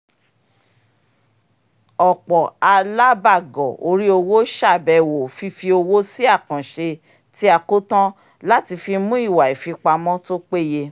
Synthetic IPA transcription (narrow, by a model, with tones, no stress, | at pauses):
ɔ˨k͡pɔ˨a˧la˦ba˦˨ɡɔ˨o˧ɾi˦o˧wo˦ʃa˦˨bɛ˨wo˨fi˧fi˧o˧wo˦si˦a˦˨kã˨ʃe˧ | ti˦a˨ko˦tã˦ | la˦ti˧fi˧mũ˦i˦˨wa˨i˨fi˧k͡pa˧mɔ̃˦to˦k͡pe˦˨je˧